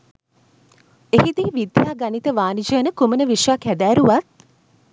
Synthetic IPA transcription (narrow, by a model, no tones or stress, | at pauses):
ehid̪iʋid̪jaːɡanit̪əʋaːnid͡ʒəːnəkumənəʋiʂʋakæd̪æːɾuʋat̪̚